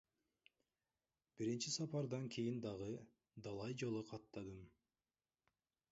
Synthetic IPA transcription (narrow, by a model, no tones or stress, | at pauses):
b̥iɾint͡ʃisɑpɑɾd̪ɑŋkʲʰejind̪ɑʁɯ | d̪ɑlˠɑjd͡ʒolˠɯqʰɑt̪ːɑd̪ɯm